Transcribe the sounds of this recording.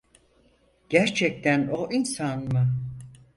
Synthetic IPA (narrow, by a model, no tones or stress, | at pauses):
ɟ̥æɾt͡ʃʰɛc̚t̪ʰænoʔinsanma